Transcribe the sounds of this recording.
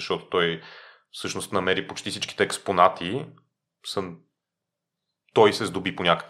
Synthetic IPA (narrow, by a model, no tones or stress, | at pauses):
ɐʃt̪ɔt̪o̥t̪ɔj | fsɤʃnost̪nɐmɛɾipot͡ʃt̪ifsit͡ʃk̟i̥t̪ɛːksponat̪ʰi | sə | t̪ɔjsɛzd̪obiponʲakə̥k